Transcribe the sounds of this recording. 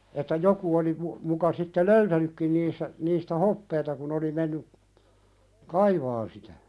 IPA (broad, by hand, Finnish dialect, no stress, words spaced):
etːæ joku oli mu mukɑ sitːe loytænykːin niːsːæ niːstæ hopːeːtɑ kun oli menːy kɑiʋɑːn sitæ